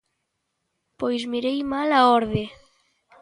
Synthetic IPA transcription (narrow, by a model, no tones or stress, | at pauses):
pojzmiɾejmalaɔɾðe